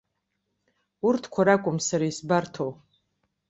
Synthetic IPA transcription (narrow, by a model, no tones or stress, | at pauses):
urtʰkʷʰaɾakʷʼʊmsaɾaisbartʰow